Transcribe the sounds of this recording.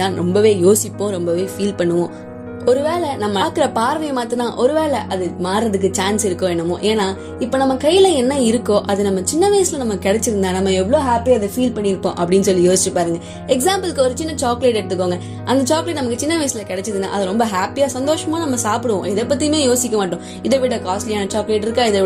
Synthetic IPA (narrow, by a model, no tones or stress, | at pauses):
ãːɾɔmbɐʋeːjoːsɪpːõɾɔmbɐʋeːfiːlpɐɳːɯʋõː | ɔɾɯʋeːɭɛnɐmːɐːkɯɾɐpaːɾʋɐjmaːt̪ɯnaːʔɔɾɯʋeːɭɛʔɐðɯmaːɾɾɐðɯkːɯt͡ʃaːnsɪɾɯkːõːɛnːɐmːõ̰ːʔeːnːaː | ɪpːoːnɐmːɐkɐjɪlɐɛnːɐɪɾɯkːõːʔɐðɯnɐmːɐt͡ʃɪnːɐʋɐɪsɪlɐnɐmːɐkɪɽɛt͡ʃːɯɾɯnd̪aːnɐmːɐɛʋːɭoːɦaːpijaːɪðɐfiːlpɐɳːiɪɾɯkːõ̰ːʔɐpːɐɽɪnːsɔlːijoːsɪt͡ʃːɯpːaːɾɯŋɡɐ | ɛksaːmpɐlkːɯɔɾɯt͡ʃɪnːɐt͡ʃaːkleːʈɛɾɯt̪ːɯkːoːŋɡɐ | ʔɐnd̪ɐt͡ʃaːkleːʈːnɐmɐkːɯt͡ʃɪnːɐʋɐɪsɪlɐkɛɽɛt͡ʃːɯɾɯna̰ːʔɐðɯɾɔmbɐɦaːpijaːsɐnd̪oːʂɐmaːnɐmːɐsaːpɪɽɯʋõʔɪðɛpːɐt̪ːimeːjoːsɪkʲːɐmaːʈːʊ̃ | ɪðɛʋɪɽɐkaːsʈlɪjaːnɐt͡ʃaːkːleːʈːɪɾɯkːãːɪðɛ